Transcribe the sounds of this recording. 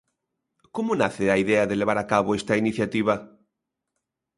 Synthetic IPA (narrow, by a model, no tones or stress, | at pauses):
komʊnaθɪaiðɛaðeleβ̞aɾakaβoest̪ainiθjat̪iβ̞ɐ